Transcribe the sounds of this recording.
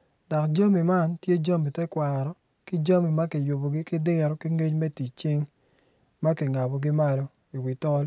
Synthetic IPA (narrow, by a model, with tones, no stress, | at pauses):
dɔ˨kd͡ʒa˦mi˨ma˦ntje˦d͡ʒa˦mi˨tɛ˦kwa˨ɾɔ˨ | ki˦d͡ʒa˦mi˨ma˦ki˨jo˨bo˨ɡi˦kɪ˦dɪ˦ɾki˦ŋe˦t͡ʃmɛ˦ti˨t͡ʃɪ˦ŋ | ma˦ki˨ŋa˨bo˨ɡi˦ma˦lo˨ | i˨wi˨tɔ˦l